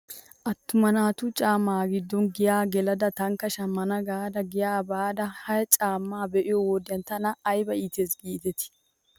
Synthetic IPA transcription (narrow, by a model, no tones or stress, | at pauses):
ʔɐt̪ːʊmɐnaːt̪ʊt͡ʃʼaːmːaːɡɪd̪ːɔnɡɪjaːɡɛlɐd̪ɐt̪ɐŋkːɐʃɐmːɐnɐɡaːd̪ɐɡɪjaːbaːd̪ɐhɐjt͡ʃʼaːmːaːbɛʔɪjɔwɔd̪ɪjɐnt̪ɐnɐːjbɐiːt̪eːsɡiːt̪ɛt̪ɪ̥